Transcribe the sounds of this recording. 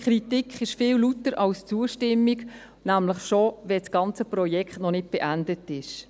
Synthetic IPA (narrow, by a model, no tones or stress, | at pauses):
kʰχɾitikχɪʃfɪwlutəɾʔɑlst͡suəʃtɪmːik | næmləχʃovɛsɡ̥ɑnt͡səprɔjɛkχtnɔnɪt̚b̥ɛʔændətɪʃ